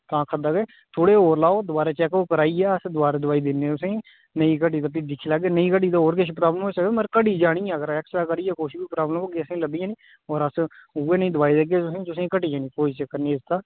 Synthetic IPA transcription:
k̪ãːkʰəd̪aːɡeː | t̪ʰoːɽeːɦoːɾlaːoːd̪ʊbaːɾeːt͡ʃɛːkoːkəɾaːiːɛːəsd̪ʊʋaːɾed̪ʊʋaːiːd̪ɪnːẽːʊsẽ | nəĩːkəʈiːt̪əpid̪ɪkʰːiːlaːɡeːnəĩːkəʈ̬iːd̪aoːɾkɪʃpɾaːbləmɦoːsəkd̪eməɾkəʈiːd͡ʒaːɽ̃iːɛ̃əɡəɾɛksaːkəɾiːɛːkoːʃibiːpɾaːblmɦoːɡeːəsẽləbiːãːniː | ɔːɾəsueːnəĩːd̪ʊʋaːiːd̪eɡeːt̪ʊsẽːt̪ʊsẽiːkəʈiːãːnĩːpoːd͡ʒt͡ʃkəɾniːɪst̪aː

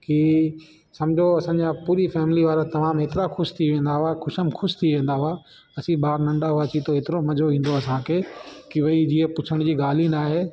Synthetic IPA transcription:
ki | sɐmd͡ʑʱoɐsãːɲd͡ʑapuːɾifɛːmɪliʋaːɾat̪ɐmaːmeːt̪ɪɾaxʊʃt̪ʰiʋẽːn̆d̪aɦʊaxʊʃəmxʊʃt̪ʰiʋẽːn̆d̪aɦua | ɐsĩɓaːɾnɐ̃ɳɖaɦʊaːt͡ɕit̪ʰoɦeːt̪ɪɾomɐd͡ʑoĩːn̆d̪oɐsãkʰeːkiʋɐid͡ʑiəpʊt͡ɕʰəɽ̃d͡ʑiːɡaːl̤inaːɦeː

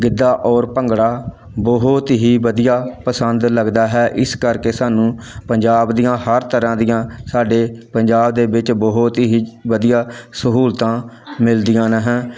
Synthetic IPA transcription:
ɡɪd̪ːaːʔɔːɾpəŋɡɽaː | bɔɦʊt̪ɦiːʋəd̪ijaːpəsənd̪ləɡd̪aːɦɛːʔɪskəɾkeːsaːnũːpəɲd͡ʒaːbd̪ijãːhəɾt̪əɾãːd̪ijãːsaːɖeːpəɲd͡ʒaːbd̪eːbɪt͡ʃbɔɦʊt̪ɦiːʋəd̪ijaːsəɦuːlt̪ãː | mɪld̪ijãːnəɦɛ̃ː

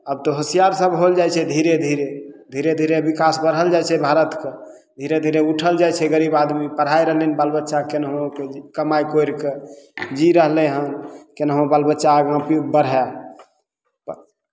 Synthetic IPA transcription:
əb̚t̪oɦəsijaɾsəbɦold͡ʒajt͡ʃʰɛd̪ʱiɾed̪ʱiɾed̪ʱiɾed̪ʱiɾebikasbəɾɦəld͡ʒajt͡ʃʰɛbʱaɾət̪ke | d̪ʱiɾed̪ʱiɾeuʈʰəld͡ʒajt͡ʃʰɛɡəɾibad̪mipəɽ̤ɦajɾəɦlenibalbətːʃakenɦõkekəmajkojɾked͡ʒiɾəɦlɛɦənkenɦõbalbətːʃaɡãpibəɾ̤ɦe

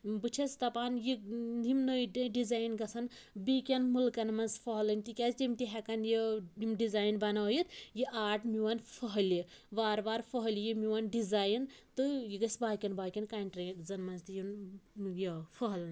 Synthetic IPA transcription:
bɨt͡ʃʰɐst̪ɐpaːnjiimnəjɖɐɖizaːjnɡɐsʰɐnbikʲɐnmulkɐnmɐnsfʰɐɦlɐnʲt̪ikʲazt̪ʲimt̪iɦɛkɐnjiimɖizaːjnbɐnaːjit̪jiʔaːʈʰmiwɐnfʰɐɦɐlji | ʋaːɾbaːɾfʰəɦɐljimiwɐnɖizaːjnt̪ɨjiɡɐsbaːkʲɐnbaːkʲɐnkanʈɾezɐnmɐnzt̪ɨjinjɐfʰɔɦlɐnʲ

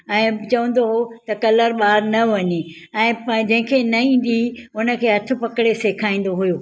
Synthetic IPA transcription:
ɛ̃ːt͡ɕɐʋə̃n̆d̪oɦot̪ɐkɐləɾɓaːɾnɐʋɐɲe | ɛ̃ːd͡ʑɐ̃ɦɪ̃kʰeːnɐĩːn̆d̪iʊnə̆kʰeːɦɐt̪ʰʊ̆pɐkɪɽeseːkʰaːĩːn̆d̪oɦujoː

